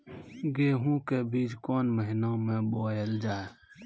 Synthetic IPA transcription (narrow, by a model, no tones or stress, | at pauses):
ɡeːɦũkebiːt͡ʃkoːnməɦɪnãmẽboːjeld͡ʒaːe